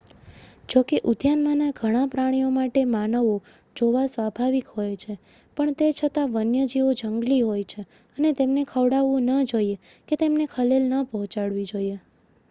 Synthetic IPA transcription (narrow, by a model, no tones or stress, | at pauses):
d͡ʒokeʔʊd̪ʱjanmanaɡʱəɽ̃ãpɾaɽ̃ijomaʈemanəʋo | d͡ʒoʋasʋabʱaʋikɦojt͡ʃʰe | pəɳt̪et͡ʃʰət̪aʋənjəd͡ʒiʋod͡ʒəŋɡliɦojt͡ʃʰe | ənet̪emnekʰəʋɽaʋũnəd͡ʒoje | ket̪emnekʰəlelnəpəɦɔ̃t͡ʃaɭʋid͡ʒoie